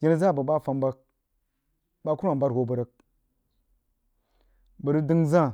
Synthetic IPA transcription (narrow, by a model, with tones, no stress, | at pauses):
ɡʲi˦n˦za˦˨bə˨ba˦fa˨mba˦k̚ | ba˦ku˦a˨ba˦tho˨bə˨ɾə˦k̚ | bə˨ɾə˦di˦ŋza˦˨